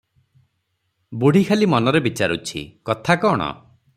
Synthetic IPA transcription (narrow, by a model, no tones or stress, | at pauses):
buɽ̤ʱikʰalimɔnɔɾebit͡ʃaɾṵt͡ʃʰḭkɔt̪ʰakɔɽ̃ɔ̰